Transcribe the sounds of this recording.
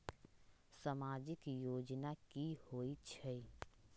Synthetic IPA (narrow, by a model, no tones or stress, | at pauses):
samaːd͡ʒɪkjoːd͡ʒnakihoːit͡ʃʰəi